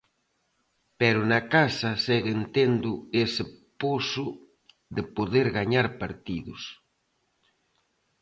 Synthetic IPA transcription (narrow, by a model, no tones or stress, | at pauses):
pɛɾʊnakasɐsɛɣent̪end̪ʊesɪposʊ | ðepoðeɾɣaɲaɾpaɾt̪iðʊs